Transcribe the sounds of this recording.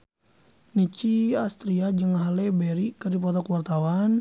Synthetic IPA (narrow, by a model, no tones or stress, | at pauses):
nit͡ʃiast̪ɾiad͡ʒɨŋɦalɛbɛɾikɨrdipɔt̪ɔkuwart̪awan